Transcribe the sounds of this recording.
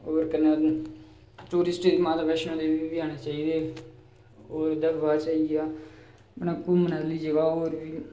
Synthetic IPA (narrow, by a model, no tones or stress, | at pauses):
oːɾkənːẽː | ʈuːɾɪsʈːimãːt̪apɛʃnõːd̪eːʋibɪjaːneːt͡ʃaːiːd̪eː | oːɾd̪əɾʋaːt͡ʃaːiaː | mənãːkuːmənaːliːd͡ʒəɡaːoːɾbiː